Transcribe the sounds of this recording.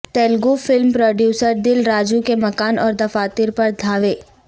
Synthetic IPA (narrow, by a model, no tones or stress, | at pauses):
t̪ɛːlɡofɪlmpɾoːɖjuːsəɾd̪ɪlɾaːd͡ʒukemɐkaːnɔːɾd̪ɐfaːt̪ɪɾpɐɾd̪ʱaːʋeː